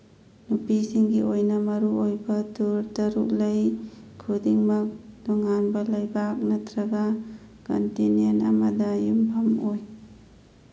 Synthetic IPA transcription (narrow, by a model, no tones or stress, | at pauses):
nupisiŋɡiojnɐmɐɾuojbɐtuɾtɐɾṵklɐjkʰudiŋmɐk̚dɔŋanbɐlɐjbak̚nɐtɾɐɡa | ko̰ntinenɐ̰mɐdɐjumpʰɐmoj